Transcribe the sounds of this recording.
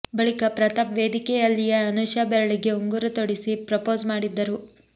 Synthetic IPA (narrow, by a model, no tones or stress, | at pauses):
bɐɭikɐpɾɐt̪ɐpʋeːd̪ikɛjɐlːijɐɐnuʃaːbɛɾɐɭiɡe̞uŋɡuɾut̪oɽisipɾɐpo̞ːzmaːɽid̪ːɐɾu